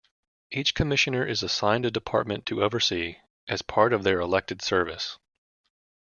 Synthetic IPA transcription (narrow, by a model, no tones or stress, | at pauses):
ʔit͡ʃkʰɨmɪʃɨ̃nə˞ʔɨzəsãɪ̃ndɨdɨpʰɑ̰ɹt̚mɨ̃ntʰɨovə˞si | ʔɨz̥pʰɑɹɾʌvðə˞əlɛk̚tɨd̥sɜ˞vɨs